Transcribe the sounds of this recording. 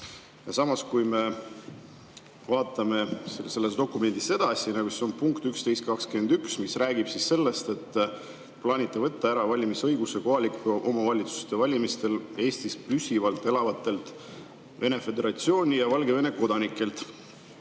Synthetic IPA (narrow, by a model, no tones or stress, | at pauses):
jɑsɑmɑskujme̞ | vɑːt̪ːˑɑme̞se̞lːe̞sd̪o̞kːˑume̞nd̪̥ise̞d̪̥ɑsʲinɑɡuseo̞npuŋkt̪ykst̪e̞jst̪̚kɑkskyme̞nd̪yksmisræːɡib̥sisːe̞lːe̞st̪e̞t̪ː | plɑːnʲit̪ˑːe̞vɤt̪ːɑæɾɑvɑlʲimisɤ̞jɡuseko̞ɦɑlikːuʔo̞mɑvɑlʲit̪su̥st̪e̞vɑlʲimist̪e̞le̞ːst̪isplysivɑlt̪ːˑe̞lɑvɑt̪ːˑe̞lt̪ˑ | ve̞ne̞fe̞d̪e̞ɾɑt̪sio̞ːnʲijɑvɑlɡe̞ve̞ne̞ko̞d̪̥ɑnikːˑe̞lt̪ˑ